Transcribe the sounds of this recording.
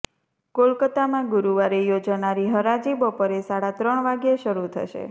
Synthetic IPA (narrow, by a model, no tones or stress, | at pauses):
koɭkət̪amãɡuɾuʋaɾejod͡ʒanaɾiɦəɾad͡ʒibəpoɾesaɽat̪ɾəɳʋaɡjeʃəɾut̪ʰə̰ʃḛ